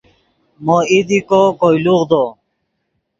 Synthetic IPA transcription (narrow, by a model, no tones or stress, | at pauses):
moid̪ikokojluʁd̪o